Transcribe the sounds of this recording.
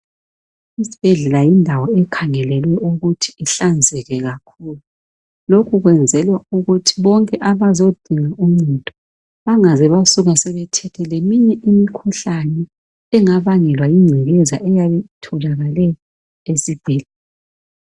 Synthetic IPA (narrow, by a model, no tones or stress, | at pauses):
isi̥b̥ʱɛɮɛlajindʱawɔɛkʰaŋɛlɛlwɛʔuɣutʰi̥iɬand͡zʱɛɣɛɣakʰulu | lokʰuɣwɛnd͡zʱɛlwauɣutʰiβɔŋkʼɛʔaβazod̥ʱiŋaʔumitʼɔ̥ | βaŋazɛβasuɣasɛβɛtʰɛtʰɛlemiɲɛʔimikʰuɬanɛ | ɛŋaβaŋɛlwajiŋ͡ǀʱiɣɛzaʔɛjaβɛtʰulaɣalɛɔ | esib̥ʱɛːlɛ